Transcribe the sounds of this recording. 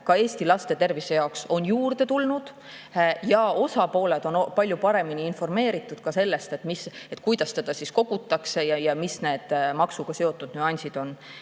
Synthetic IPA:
kɑe̞ːst̪ilɑst̪e̞t̪e̞rvise̞jɑokso̞njuːrd̪̥e̞t̪ulnud̪̥ | jɑo̞sɑpo̞ːled̪̥o̞npɑlʲjupɑɾe̞miniinfo̞rme̞ːɾit̪ːˑud̪̥̚kɑse̞lːe̞st̪e̞t̪miset̪ːˑkujd̪̥ɑst̪e̞d̪̥ɑsisko̞ɡ̥ut̪ˑːɑkse̞jɑjɑmisne̞ːd̪̥mɑksuɡ̥ɑse̞o̞t̪ːˑud̪̥nyɑnʲsid̪̥o̞n

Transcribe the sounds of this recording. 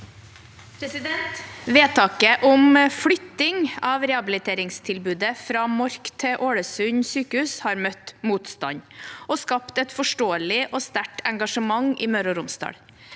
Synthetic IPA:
pʰɾɛsɪd̪ɛnt̪ʋeːt̪ʰɑːkəʔʊmflʏt̪ːɪŋɑːʋɾɛɑbɪlɪt̪ʰeːɾɪŋst̪ʰɪlbʉːd̪əfɾɑːmɔɾkt̪ʰɛʔoːɽəsʉɲsyːkəhʉːshɑːɾmœt̪muːt̪st̪ɑ̰ɲɔskɑpt̪ɛt̪fɔʂʈoːəlɪʔɔːst̪æʈɛŋɡɑʂəmɑŋiːmœɾɔɾʊmsd̪ɑ̰ːɽ

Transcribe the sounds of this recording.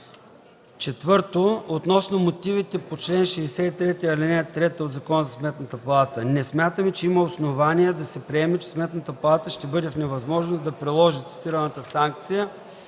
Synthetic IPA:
t͡ʃɛt̪vɤɾt̪oot̪nɔsnomot̪ivit̪ɛpot͡ʃlɛnʃɛːsɛit̪ɾɛt̪iɐlinɛt̪ːɾɛt̪əod̪zɐkɔnəzɐsmɛt̪nət̪əpɐlˠat̪ənɛsmʲjat̪əmɛt͡ʃɛiməosnovaniɛd̪ɐsɛpɾiɛmɛt͡ʃɛ̥smɛt̪nət̪əpɐlˠat̪əʃt̪ɛbɤd̪ɛfnɛvɐzmɔʒnosd̪ɐpɾilˠɔʒit̪si̥t̪iɾənət̪əsaŋk̚t̪sijə

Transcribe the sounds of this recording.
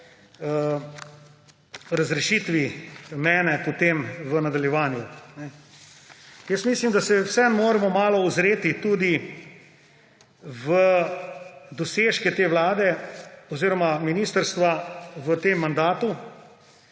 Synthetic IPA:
ə | ɾazɾɛʃit̪ʋimɛːnɛpɔt̪eːmʋənad̪aljɛʋaːnjunɛ | jəsmiːslimd̪asɛwsɛnmoːɾɛmɔmaːlɔuzɾeːt̪it̪uːd̪i | ʋə | d̪ɔseːʃkɛt̪eːʋlaːd̪ɛɔziːɾɔmaminiːst̪əɾst̪ʋaʋət̪emːand̪aːt̪u

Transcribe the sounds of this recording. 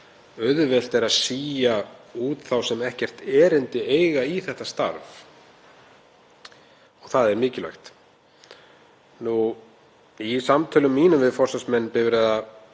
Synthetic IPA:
œðvɛl̥t̪ɛɾaðsiːjauːt̪θawsɛmɛhcɛr̥t̪ɛːɾɪnt̪ɪeːjɣaiθɛht̪ast̪a̰ɾv | ɔɣθaðɛɾmɪːcɪlœ̰jxt̪ | nu | isamt̪ʰœːlʏmːiːnʏmvɪðfɔrsasmɛnːpɪvɾɛða

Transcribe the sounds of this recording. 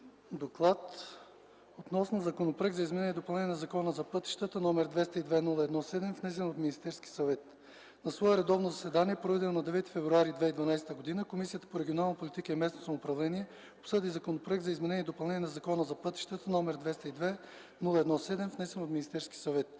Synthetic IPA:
d̪oklˠat̪ | ot̪nɔsnozɐkonopɾəɡzɐizmɛnɛniɛd̪opɐlˠnɛnijɛnɐzɐkɔnəzɐpɤt̪i̥ʃt̪ət̪ənɔmɛɾd̪vɛst̪əid̪vɛnulˠəɛd̪nɔsɛd̪ɛmfnɛs̬ɛnot̪minist̪ɛɾskʲi̥sɐvɛt̪ | nɐsvɔɛɾɛd̪ɔvnozɐsɛd̪aniɛpɾoɛd̪ɛnˠnɐd̪ɛvɛt̪i̥fɛvɾuaɾid̪vɛid̪vɐnajst̪əɡod̪inəkomisijət̪ə̥poɾɛɡʲionalˠnɐpolit̪ikəɛmɛsnosɐmoːpɾɐvlɛniɛ | opsɤd̪izɐkonopɾəɛɡ̪zɐizmɛnɛniɛd̪opɐlˠɛnʲjɛnɐzɐkɔnəzɐpɤt̪i̥ʃt̪ət̪ənɔmɛɾd̪vɛst̪əid̪vɛ | nulˠəɛd̪nɔsɛd̪ɛmfnɛsɛnot̪minist̪ɛɾskʲi̥sɐvɛt̪

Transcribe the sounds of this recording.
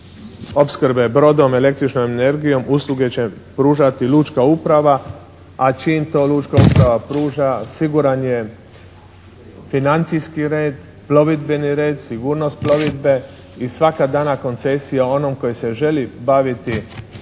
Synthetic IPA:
o̞pskɾbe̞bɾo̞d̪o̞me̞le̞kt̪ɾit͡ʃnomene̞ɾɡijo̞muːslˠuɡe̞t͡ɕe̞pɾuːʒat̪iluːt͡ʃkaupɾaʋa | at͡ʃiːmt̪o̞ːluːt͡ʃkaupɾaʋapɾuːʒasiɡuɾanje | finant̪sijskiɾeːd̪ | plo̞ʋid̪beniɾe̞ːd̪siɡuːɾno̞st̪̚plo̞ʋid̪be̞ | isʋakad̪aːnako̞nt̪se̞sijao̞no̞mko̞jese̞ʒe̞libaʋit̪i

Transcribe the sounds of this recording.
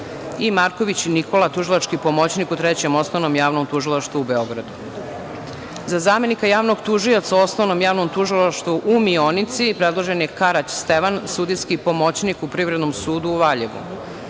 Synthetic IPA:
imaɾkoʋit͡ɕiniko̞lˠat̪uʒilˠat͡ʃkipomo̞t͡ɕnikut̪ɾet͡ɕe̞mo̞snoʋnomjaːʋnomt̪uʒilˠaʃt̪vuube̞o̞ɡɾad̪u | zazaːme̞nikajaːʋno̞ɡt̪uʒio̞t̪sao̞snoʋnomjaːʋnomt̪uʒilˠaʃt̪ʋuʔumionit̪sipɾed̪lˠoʒenje̞kaɾat͡ɕst̪eʋansud̪iskipo̞mo̞t͡ɕnikupɾiʋɾed̪nomsuːd̪uːʋaʎeɡṵ

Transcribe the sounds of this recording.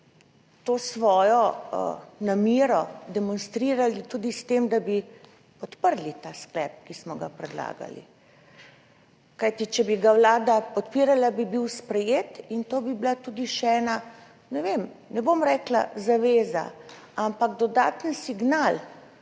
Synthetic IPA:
t̪oːsʋɔːjɔ̰ | namiːɾɔd̪ɛmɔnst̪ɾiːɾalit̪ud̪ist̪emd̪abi | pɔt̪pəɾlit̪asklɛp̚kismɔɡa̰pɾɛd̪la̰ːɡa̰lḭ | kajt̪it͡ʃɛbiɡawlaːd̪apɔt̪piɾalabibiwspɾɛjeːt̪int̪oːbibilat̪ud̪iʃɛɛːna | nɛʋemnɛbomɾɛkla̰zaʋeːza̰ | ampaɡd̪ɔd̪aːt̪ənsiɡnal

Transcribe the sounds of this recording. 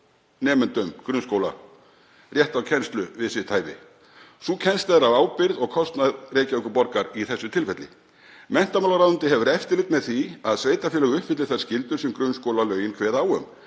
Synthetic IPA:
nɛːmʏnt̪ʏmkɾʏnskowla̰ | rjɛht̪awcʰɛnst̪lʏvɪðsɪt̪ʰaːjvɪ̰ | sucʰɛnst̪aðɾavaːwpɪɾðɔɣkʰɔst̪naðreːjcaœkʏpɔɾkaɾiθɛsːʏt̪ʰɪlfɛt̪lɪ̰ | mɛn̥t̪amawlaɾaːðʏnt̪ɪɦɛvʏɾɛft̪ɪlɪkt̪mɛðθiaðsveːjt̪afjɛːlɛɣʏʏhpfɪt̪lɪθḁscɪlt̪ʏɾ̥sɛmkɾʏnskowlalœːɥjɪnkʰvɛːðaawʏm

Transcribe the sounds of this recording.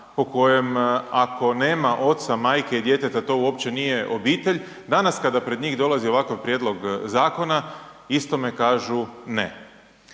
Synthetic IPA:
po̞ko̞je̞makʰo̞ne̞ːmaʔo̞t̪samaːjkeid̪je̞t̪et̪at̪o̞uo̞pt͡ɕe̞nije̞ʔo̞biːt̪e̞ʎ | d̪anaskad̪apɾe̞d̪ɲiːɣd̪o̞lˠazio̞ʋakaʋpɾjed̪lˠo̞ɡzaːko̞na | ist̪o̞me̞kaːʒunḛ

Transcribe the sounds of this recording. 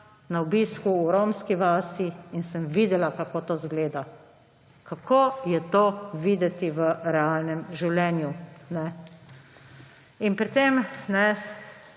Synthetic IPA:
naɔbiːskuːɾomskiʋaːsiinsəmʋiːd̪ɛlakakoːt̪oːzɡleːd̪a | kakʰoːjɛt̪oːʋiːd̪ɛt̪iʋəɾɛaːlnɛmʒiwlʲɛːnjunɛ | inpɾit̪emnɛ

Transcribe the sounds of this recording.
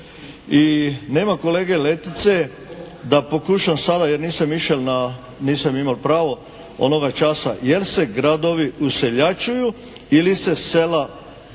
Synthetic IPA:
ine̞ːmako̞le̞ːɡe̞le̞t̪it̪se̞ | d̪apo̞kuʃamsad̪ajeɾniːsamiʃelna | niːsamimalpɾaːʋo̞ | o̞̰no̞ɡat͡ʃasa̰jelse̞ɡɾad̪o̞ʋiuse̞ʎat͡ʃuju | ilise̞sela

